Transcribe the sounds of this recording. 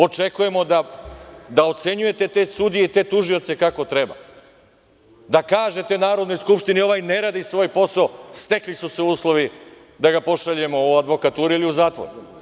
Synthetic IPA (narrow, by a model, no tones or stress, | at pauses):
o̞t͡ʃe̞kuje̞mo̞d̪a | d̪ao̞t̪se̞ɲuje̞t̪e̞t̪e̞sud̪ijeit̪e̞ːt̪uʒio̞t̪se̞kako̞t̪ɾe̞ba̰ | d̪akaːʒe̞t̪e̞naːɾod̪nojskupʃt̪inio̞ʋajne̞ɾaːd̪isʋo̞ːjpo̞saost̪e̞klisuse̞uːslˠo̞ʋi | d̪aɡapo̞ʃaʎuje̞mo̞uad̪ʋo̞kat̪uːɾiiliuzaːt̪ʋo̰ɾu